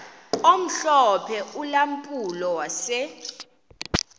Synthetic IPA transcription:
om̩ɬɔpʰɛulam̩pʼulɔwasɛ

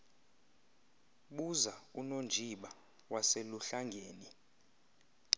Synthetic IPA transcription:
ɓuzaunond͡ʒʱiɓa | waseluɬaŋɡʱeːni

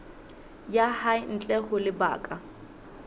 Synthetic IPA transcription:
jahaɪn̩t͡ɬʼɛχʊlɪba̰ːkʼa

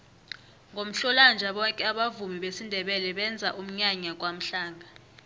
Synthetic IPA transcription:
ŋɡʱom̩ɬɔland͡ʒʱaɓɔkʼɛaɓavumiɓesindʱɛɓɛlɛɓɛnd͡zʱaʔum̩ɲaɲak̬ʼwam̩ɬaːŋʱa

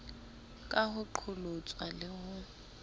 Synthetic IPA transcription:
kʼahʊǃʰʊlot͡sʼwalɪhʊ

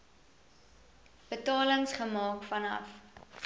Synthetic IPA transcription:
b̥ətɑːləŋsχəmɑːkfɐnɐ̰f

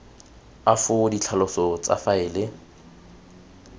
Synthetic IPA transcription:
afʊdit͡ɬʰalɔsɔt͡sʼa̰faɪːlɪ

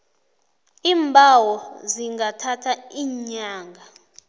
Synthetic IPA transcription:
iːmbʱawɔziŋɡatʰatʰaiːɲaːŋɡʱa

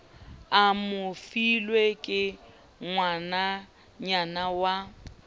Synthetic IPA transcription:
amʊfilwekʼɪ | ŋwana | ɲanawa

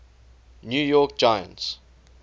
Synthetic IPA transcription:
njujɔk̚d͡ʒaɪə̰̃nts

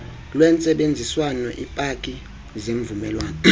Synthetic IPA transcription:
lwɛnt͡sʼɛɓend͡zʱiswanɔʔipʼakʼi | zeɱvumɛlwaːnɔ

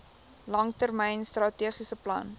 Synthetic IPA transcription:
lɐŋtərmɛjnstrɐtiəχisəplɐ̰n

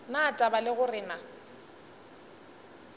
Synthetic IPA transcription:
natʼabalɪɣʊrɪna

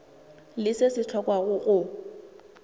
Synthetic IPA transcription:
lɪsɪsɪt͡ɬʰɔkʼwaɣʊʔʊ

